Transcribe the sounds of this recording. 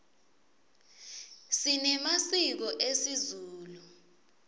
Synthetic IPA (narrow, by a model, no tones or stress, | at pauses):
sinɛmasik̬ɔʔesizuːlu